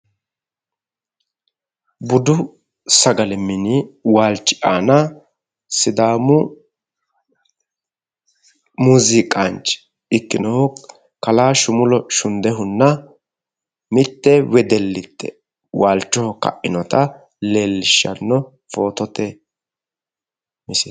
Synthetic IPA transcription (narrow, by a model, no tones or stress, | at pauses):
bʊd̪ʊ | sɐɡɐlɛmːɪnɪwaːlt͡ʃːɪʔaːnɐ | sɪd̪aːmʊ | muzɪkʼant͡ʃ | ɪkːɪnɔhɔ | kɐlaːʃʊmʊlɔʃʊnd̪ɛɦʊnːɐ | mɪt̪ːɛwɛd̪ɛlːɪt̪ːɛ̰ | waːlt͡ʃːɔhkɐ̰ʔɪnɔt̪ɐ | leːlːɪʃːɐ̰nːɔ | fo̞ːt̪ɔt̪ɛ | mɪsɛ